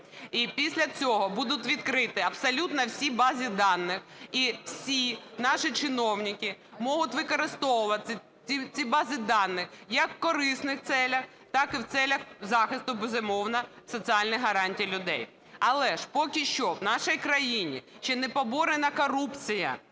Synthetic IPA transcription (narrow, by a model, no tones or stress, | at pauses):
ipʲisʲlʲɐt͡sʲɔɦɔbud̪ʊt̪ʲʋʲid̪̚kɾɪt̪ɪɐpsɐlʲut̪nɐwsʲibɑzʲid̪ɑnːɪxiwsʲinɑʃit͡ʃɪnɔwnʲɪkɪ | mɔɦʊt̪ʲʋɪkɔɾɪst̪ɔʋʊʋɐɪ | it͡sʲibɑzʲɪd̪ɑnːɪxjɐkːkɔɾɪsnɪxt̪sɛlʲɐx | t̪ɑkɪwt̪sɛlʲɐxzɑxɪst̪ʊbɪzɪmɔwnɐsɔt͡sʲiɑlʲnɐjɦɐɾɑnʲtʲijlʲʊd̪ɛj | ɐlˠɛʃpɔkʲiʃt͡ʃɔwnɑʃijkɾɐjinʲḭʃt͡ʃɛnɛpɔbɔɾenɐkɔɾupt͡sʲijɐ̰